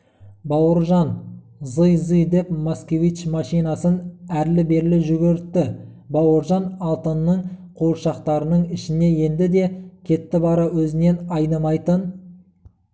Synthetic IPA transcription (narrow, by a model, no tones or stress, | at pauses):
bɑwəɾʒɑn | zəjzɨjd̪e̞p̚moskʲe̞vit͡ʃmɑʃijnɑsənæɾlɪbe̞ɾlɪʒʏɡʲɪɾɪt̪ːɪ | bɑwəɾʒɑnɑlˠt̪ənːəɴqʰoɾʃɑqt̪ɑɾənəɴɪʃɪne̞je̞nd̪ɪd̪e̞kʲʰe̞t̪ːɪbɑɾɑwɵzɪne̞nɑjnəmɑjt̪ən